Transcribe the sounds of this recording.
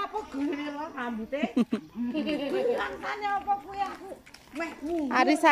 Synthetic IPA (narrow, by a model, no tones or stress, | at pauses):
apɔɡ̥ṳnelɔsambut̪e | aŋsanaɔpɔkueakumɛhmuaɾisa